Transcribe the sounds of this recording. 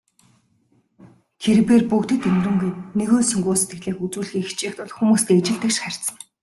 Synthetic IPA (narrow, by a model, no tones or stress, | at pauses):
t̪ʰeɾɘ̆peːrpukt̪ɘ̆t̪emrŭŋɡeːt̪neɣoːsɵŋɡoːset̪ɡɘ̆ɮeːxut͡suːɮxiːxʰt͡ɕeːxt̪ʊɮxumuːst̪iːet͡ɕɪ̆ɮt̪ɘ̆kʃχær̥ʲsə̆ŋ